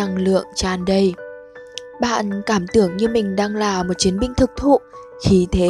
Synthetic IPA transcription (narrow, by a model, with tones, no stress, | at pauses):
a˧ŋlɨ̰˧˨əŋt͡ɕaː˧nɗə˧j | ɓa̰ː˧˨nkaː˧˩mt̪ɨ˧˩əŋɲɨ˧mï˨˩ŋ̟ɗaː˧ŋlaː˨˩mo˨˩t̚t͡ɕi˨˦ənmɓï˧ŋ̟t̪ʰɨ˨˩k̚t̪ʰṵ˧˨ | xi˨˦t̪ʰe˨˦